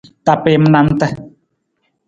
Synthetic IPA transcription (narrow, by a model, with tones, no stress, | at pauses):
t̪a˨pe˨m˨nã˨n̩˦t̪ə˦